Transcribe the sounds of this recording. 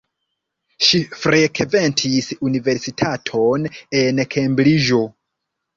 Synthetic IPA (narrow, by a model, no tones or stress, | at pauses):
ʃifɾe̞kʰve̞ntʰisunive̞ɾsitʰatʰo̞nenkʰembliʒo̞